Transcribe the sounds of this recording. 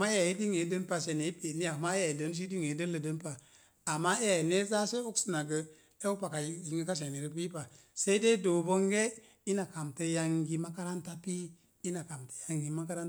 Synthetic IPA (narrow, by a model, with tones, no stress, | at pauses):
ma˦e˦a˨i˦di˦ŋe˨˦də˦npa˨ʃe˨ne˨i˦pe˨ni˦ja˨kma˦ja˨i˨də˨˦n˦ʃ̬i˦di˦ŋe˨˦də˦lə˨də˨˦npa˨ | a˨mːa˦e˦ja˨ne˦za˦se˦u˦ksi˦na˨ɡə˨ | e˦u˦pa˨ka˨˦ji˨ŋɡə˦ka˦ʃ̬e˨ne˨ɾi˦p̬i˦pa˨ | se˦i˦de˦do˨bo˦ŋɡe˦ | i˦na˨ka˨mte˦ja˦ŋɡi˦ma˦ka˦ɾa˦nta˦pi˦ | i˦na˨ka˨mte̥˨˦ja˦ŋɡi˦ma˦ka˦ɾa˦